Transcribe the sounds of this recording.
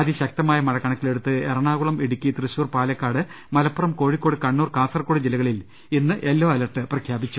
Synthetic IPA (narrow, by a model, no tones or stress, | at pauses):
ɐd̪iɕɐk̚t̪ɐmaːjɐmɐɻɐkːɐɳɐk̪ʲːile̞ɽut̪ːɨerɐɳaːɣuɭɐmiɽukʲːit̪rɨɕuːrpaːlɐkːaːɽɨ | mɐlɐpːurɐmko̞ːɻikːo̞ːɽɨkɐɳːuːrkaːsɐrkːoːɽɨd͡ʑilɐɣɐɭil | inːɨʔe̞lːo̞ːɐlɐrʈːɨprɐkʰjaːbit͡ɕːu